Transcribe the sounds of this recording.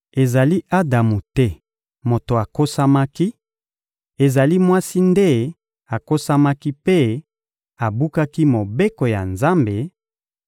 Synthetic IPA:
e˨za˨li˦ʔa˦da˨mu˨tɛ˦ | mo˨to˨a˨ko˦sa˦ma˦ki˦ | e˨za˨li˦mwa˦si˦nde˦ | a˨ko˦sa˦ma˦ki˦pe˦ | a˨bu˦ka˦ki˦mo˨be˦ko˨ja̰˨nza˦mbe˨

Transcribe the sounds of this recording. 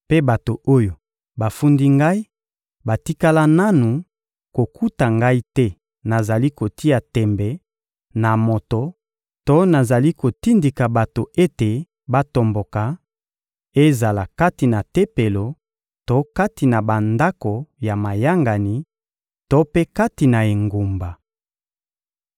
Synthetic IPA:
pe˦ba˨to˨o˦jo˨ | ba˨fu˦ndi˦ŋɡa˦i˦ | ba˨ti˦ka˦la˦na˦nu˨ | ko˨kʰu˦ta˨ŋɡa˦i˦tɛ˦ | na˨za˨li˦ko˨ti˦a˨tɛ˨mbɛ˨ | na˨mo˨to˨ | to˦na˨za˨li˦ko˨ti˦ndi˨ka˨ba˨to˨e˦te˨ | ba˦to˨mbo˨ka˨ | e˦za˨la˨ka˦ti˨na˨te˦pe˨lo˨ | to˦ka˦ti˨na˨ba˨nda˦ko˨ja˨ma˨ja˦ŋɡa˨ni˨ | to˦pe˦ka˦ti˨na˨e˨ŋɡo˨mba˨

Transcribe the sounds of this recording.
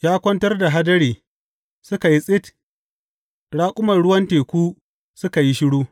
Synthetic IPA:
jaː˦kʷɐ˦ntɐ˦rda˨ɦa˦dɐ˦ɽeː˨ | sʊ˦ka˨ji˦sʼɪ˦t | ɽaː˦kʷʼʊ˦mɐ˨rɽʊ˦wɐ˦nteː˨kʷuː˦ | sʊ˦ka˨ji˦ʃɪ˦ɽuː˦

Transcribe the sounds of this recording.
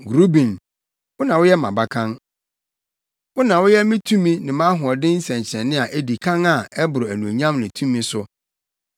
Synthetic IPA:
ɡɾu˦bĩ˨n | wʊ˦nã˨wʊ˦jɛ˦mã̰˨ba˦kʰã˦n | wʊ˦nã˨wʊ˦jɛ˦mĩ˦tʰũ˦mĩ˦nɪ̃˨mã˦ɦʊ˨ɔ˨dɪ̃˦n̩˦sɛ̃˨ɲ˨t͡ɕʰɛ̃˨nːɪ̃˦a˨ʔe˦di˨kʰã˦ŋa˨ɛ˦bʊ˨ɾʊ˨æ˨nũ˨ɲã˦mnɪ̃˨tʰũ˦mːĩ˦sʊ˦

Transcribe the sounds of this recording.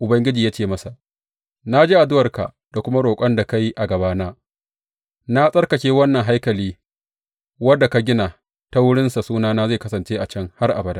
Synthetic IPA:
ʔʊ˨bɐ˦ŋɡʲɪ˦d͡ʒiː˨jaː˦t͡ʃeː˦˨mɐ˦sa˨ʔ | na˦d͡ʒiː˦ʔa˨dʊ˦wɐ˨rka̰˨ʔ | da˨kʷʊ˦ma˦ɽoː˨kʷʼɐ˦nda˨ka˦ji˦ʔa˨ɡɐ˨baː˦naː˦ | na˦sʼɐ˦rkɐ˨kʲeː˦wɐ˦nːɐ˨ŋɦa˦jkɐ˨liː˦ | wɐ˦dːa˨ka˨ɡʲɪ˦na˨ | ta˦wʊ˦ɽɪ˦nsa˨suː˦naː˦naː˦za˦˨kɐ˦sɐ˨nt͡ʃeː˦ʔa˨t͡ʃɐ˦ŋha˦rʔa̰˨bɐ˨˦da˦

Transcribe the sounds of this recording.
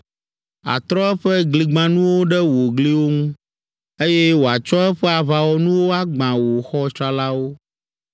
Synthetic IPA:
a̰˨t̪ɾɔ˦ɛ˦ɸɛ˦ɡli˨ɡ͡bã˦nũ˦wo˦ɖɛ˦wo˨ɡli˦wo˦ŋũ˦ | e˦jɛ˦wo˨a˨t͡ʃɔ˦ɛ˦ɸɛ˦a˨βa˨wɔ˦nũ˦wo˦a˦ɡ͡bã˨wo˨xɔ˦t͡ʃa˦la˦wo˦

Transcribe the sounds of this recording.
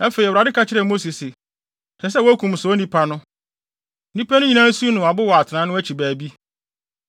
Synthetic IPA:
ɛ˦fe˨i˨wɾa˨dɪ˦kʰa˦t͡ɕʰɪ˦ɾɛ˨mo˦si˨sɪ˨ | tʰɛ˨s̬ɛ˦wɔ˦æ˦kʰũ˨m˨sʊ˨ɔ˦nĩ˦pʰa˦nʊ̃˦ | nĩ˦pʰæ˦nʊ̃˦ɲĩ˨nã˦su˦nʊ̃˨a˨bʊ˦wɔ˨a˨tʰɪ˨nã˦nʊ̃˦æ˦t͡ɕʰi˨bæː˨bi˦

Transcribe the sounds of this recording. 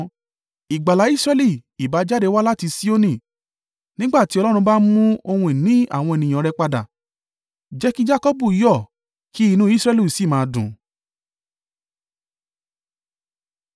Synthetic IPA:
i˨ɡ͡ba˨la˨˦i˦sɾɛ˧li˦˨i˨ba˨˦d͡ʒa˦de˧wa˦la˦ti˧si˦o˦nĩ˦˨ | nĩ˦ɡ͡ba˦˨ti˨˦ɔ˧lɔ˦ɾ̃ũ˧ba˦mũ˦o˧hũ˧i˨nĩ˨˦a˦˨w̃ɔ̃˧e˨nĩ˨ã˨˧ɾɛ˧k͡pa˧da̰˨ | d͡ʒɛ˦ki˦d͡ʒa˦kɔ˦bu˦˨i˨˦jɔ˦˨ | ki˨˦i˧nũ˦i˦sɾɛ˧lu˦˨si˦˨mãː˨˧dũ˨

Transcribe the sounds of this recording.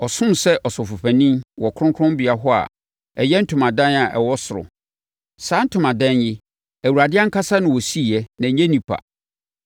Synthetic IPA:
ɔ˨sʊ̃˦msɛ˦ʔɔ˨sʊ˨fʊ˨ɸʰæ˨nĩ˦wɔ˨kʰɾʊ̃˦ŋkʰɾʊ̃˦mbi˨a˦ɦɔ˦a̰˨ | ɛ˨jɛ˦n̩˦tʰʊ̃˨mã˨dã˦na˨ʔɛ̰˨wɔ˦sʊ˨ɾʊ̰˨ | sãː˦n̩˦tʰʊ̃˨mã˨dɛ̃˦njɪ˦ | æ˨u˨ɾa˨dɪ˦a˦ŋ̩˦kʰa˦sa˦nʊ̃˨wɔ˨si˦˨jɛ˦nã˨˦ɲɛ̃˦nĩ˨pʰa̰˨

